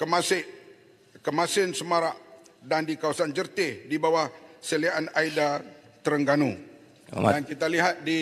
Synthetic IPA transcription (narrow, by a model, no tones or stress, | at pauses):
kəmasɪʔ | kəmasɪnsəmaɾaʔdandikawasand͡ʒərt̪ɪhdibawahsəliaʔanaida | t̪əɾəŋɡanṵ | ankit̪aliɦat̪̚di